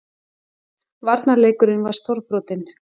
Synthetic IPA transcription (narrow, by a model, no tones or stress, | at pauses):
vaɾt̪naleːjkʏɾɪnvaɾ̥st̪oɾpɾɔːt̪ɪn